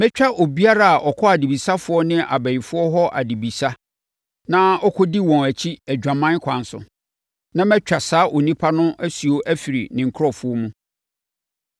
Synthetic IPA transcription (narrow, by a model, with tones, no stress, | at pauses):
mɛ̃˦t͡ɕᶣa˦ʔo˨bi˦a˦ɾa˨a˨ʔɔ˨kʰɔ˦a˨di˨bi˨sa˦fʊ˨˦ɔ˦nɪ̃˦ʔa̰˨bæ˨i˨fʊ˦ɔ˦ɦɔ˦ʔa̰˨di˨bi˨sa˦ | nã˦ɔ˦kʰɔ˦di˦wɔ̃˨næ˨t͡ɕʰi˦æ˨d͡ʑᶣã˨mã˦n˦kʷʰã˨n˦sʊ̰˨ | nã˦mɛ̃˦t͡ɕᶣa˨saː˦ʔo˨nĩ˦pʰa˦nʊ̃˦ʔæ˦si˨o˦ʔæ˦fi˨ɾi˨nɪ̃˨ŋ̩˨kʰɔ˨fʊ˨˦ɔ˦mũ˦